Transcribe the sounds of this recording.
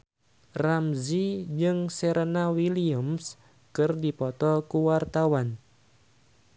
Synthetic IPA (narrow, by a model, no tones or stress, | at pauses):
ramzid͡ʒɨŋseɾʔanawiliəms | kɨrdipɔt̪ɔkuwart̪awan